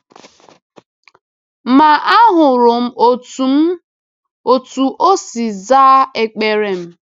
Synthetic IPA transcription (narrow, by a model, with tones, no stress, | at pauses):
ma˨ʔa˦ɦʊ˨ɾʊ˨m̩˦o˦tu˨m̩˦ | o˦˨tu˨ʔo˦si˨za˦e˨k͡pe˨ɾe˨m̩˦